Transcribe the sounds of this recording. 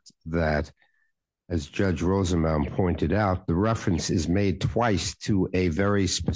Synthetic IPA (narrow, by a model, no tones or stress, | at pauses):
ðɨɾ | ɨzd͡ʒʌd͡ʒɹoʊzə̃nmãnpʰɔ̃ɪ̃ntɨɾaʊt̪̚ðəɹɛfɹɨ̃nsɨzmeɪd̚tʰw̥aɪstʰəʔɨvɛɹispɨ